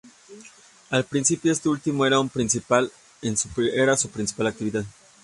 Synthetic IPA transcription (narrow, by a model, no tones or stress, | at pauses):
alpɾinsipjo̞e̞st̪eult̪imo̞e̞ɾaumpɾinsipal | ensupeɾasupɾinsi̥palakt̪iβiðað